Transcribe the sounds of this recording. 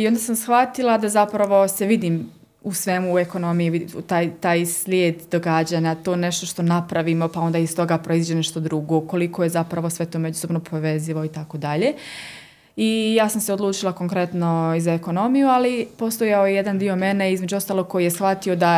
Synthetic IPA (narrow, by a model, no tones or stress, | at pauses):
io̞nd̪asamsxʋat̪ilˠad̪azapɾaʋo̞seʋid̪iːm | usʋe̞muːe̞ko̞no̞mijiʋiut̪aːjt̪aːjslʲjeːd̪d̪̥o̞ɡad͡ʑaːɲat̪o̞ːneʃt̪o̞ʃt̪o̞napɾaʋimo̞pao̞nd̪aːist̪o̞ɡaːpɾʔo̞izʋid͡ʑeneʃt̪o̞d̪ɾuɡo̞ko̞likʰo̞je̞zapɾaʋo̞sʋe̞t̪oːmed͡ʒuso̞bno̞pʰo̞ʋe̞ziʋoit̪ako̞d̪aʎe̞ | ijaːsamseo̞d̪lˠuːt͡ʃilˠako̞ŋkɾe̞t̪no̞izaeko̞no̞mijualipo̞st̪ojaojejed̪and̪io̞me̞neizme̞d͡ʑuo̞st̪alˠo̞ɡ̚ko̞jijesxʋat̪io̞d̪a